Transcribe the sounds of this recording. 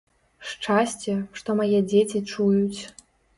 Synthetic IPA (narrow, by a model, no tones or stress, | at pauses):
ʂt͡ʂasʲt͡sʲɛʂt̪ɔmajɛd͡zʲet͡sʲit͡ʂujut͡sʲ